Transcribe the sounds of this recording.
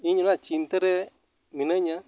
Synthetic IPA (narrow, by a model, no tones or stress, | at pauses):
iɲʊnat͡ʃintəɾɛ | minəɲa